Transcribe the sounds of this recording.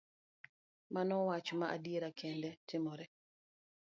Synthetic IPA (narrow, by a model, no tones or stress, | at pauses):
manɔwat͡ʃɔmaʔa̰dieɾakɛndɛtɪmɔɾɛ